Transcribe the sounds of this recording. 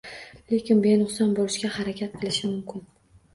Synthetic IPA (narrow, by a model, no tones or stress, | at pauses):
le̞kʲɪnbenʊχsɒnbolɪʃkʲahaɾakʲʰat̪̚qʰɨlˠɪʃɪmʊmkʲʰɪn